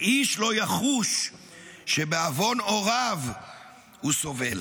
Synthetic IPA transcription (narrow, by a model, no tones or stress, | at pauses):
iʃlo̞jaχuʃ | ʃebeavo̞no̞ʁav | huso̞vel